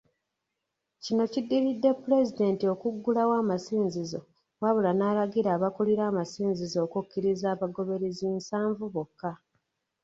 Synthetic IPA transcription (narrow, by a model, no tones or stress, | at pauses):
cino̞cidːiɾidːe̞pːuɾe̞zide̞ːntio̞kuɡːulawaːmasiːnzizo̞ | waβulanaːlaɡiɾaːβakuliɾaːmasiːnzizo̞ːkukːiɾizaːβaɡo̞βe̞ɾiziːnsaːɱvuβokːa